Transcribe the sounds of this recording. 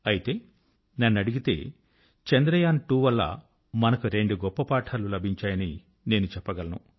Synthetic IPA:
ɐjit̪e̞ː | nɐnːɐɽiɡit̪e̞̰ː | t͡ʃend̪ɾɐjaːnʈuːʋɐlːɐ̰ | mɐnɐkuɾeɳɖuɡɔpːɐpaːʈʰaːlulɐbʱiɲt͡ʃaːjɐni | ne̞ːnut͡ʃɛpːɐɡɐlɐnṵ

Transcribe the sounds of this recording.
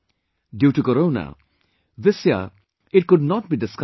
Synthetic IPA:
djuʈukɔɾoʊna̰ | ðɪsja̰ | ɪt̚kʊd̚nɔt̚bidɪsk

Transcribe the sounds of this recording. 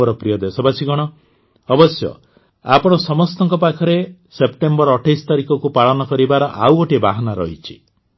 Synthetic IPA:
ɔɾɔpɾijɔd̪esɔbasiɡɔɽ̃ɔ | ɔbɔsjɔ̰ | a̰pɔɽ̃ɔsɔmɔst̪ɔŋkɔpakʰɔɾesepʈembɔɾɔʈʰajst̪aɾikɔkupaɭɔnɔkɔɾibaɾɔʔa̰woʈibaɦɔnaɾɔɦit͡ʃʰi̥

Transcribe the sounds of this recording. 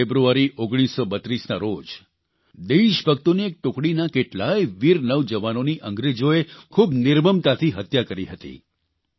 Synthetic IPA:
ebɾuaɾiʔoɡɽ̃isːobət̪ɾisnaɾod͡ʒ | d̪eʃbʱək̚t̪uniek̚ʈʊkɽinakeʈlajʋiɾnəʋd͡ʒəʋanoniʔə̃ŋɡɾed͡ʒoekʰubnɪɾməmt̪at̪ʰiɦət̪jakəɾiɦət̪ḭ

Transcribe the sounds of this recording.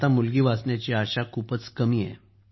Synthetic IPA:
t̪amulɡiːʋasɳjat͡ɕiaɕakʰuːpət͡skəmiːɛ̰

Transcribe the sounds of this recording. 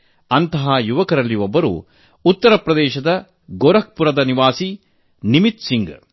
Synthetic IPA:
ɐnt̪ɐɦaːjuʋɐkɐɾɐlːiʋobːɐɾṵː | ut̪ːɐɾɐpɾɐd̪ɛːʃɐd̪ɐ | ɡoːɾɐk̚puɾɐd̪ɐniʋaːsi | nimit̪siŋɡ

